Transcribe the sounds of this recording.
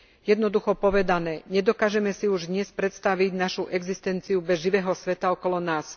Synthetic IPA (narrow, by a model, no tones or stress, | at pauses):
jɛd̪nɔd̪uxɔpɔʋɛd̪anɛːɲɛd̪ɔkaːʒɛmɛsiuʒd̪ɲɛspɾɛt̪st̪aʋiɟnaʃuʔɛɡzist̪ɛnt͡siubɛzʒiʋɛːɦɔsʋɛt̪aɔkɔlɔnaːs